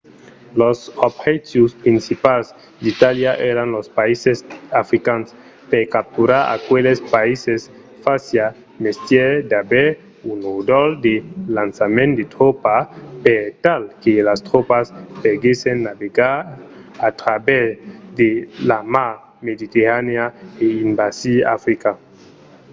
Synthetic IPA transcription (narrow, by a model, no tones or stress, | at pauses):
losobxet̪juspɾinsipals | d̪it̪aljaʔeɾanlospaisesafɾikans | pekap̚t̪uɾaɾa̰kwelespaises | fasja | mest̪jed̪abe | unod̪old̪elansamẽnd̪et̪ɾopapeɾt̪alkelast̪ɾopaspeɡesenːaβeɡaɾat̪ɾabɛzd̪elama | med̪it̪eɾaneaeimbasia̰fɾika